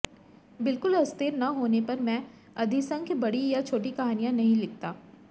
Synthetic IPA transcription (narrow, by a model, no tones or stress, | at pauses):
bɪlkʊlɐst̪ɪɾnɐɦoːnepɐɾmɛ̃ː | ɐd̪ʱisɐ̃ŋkʰbɐɽijat͡ʃʰoːʈikɐɦaːnijãnɐɦĩlɪk̚t̪aː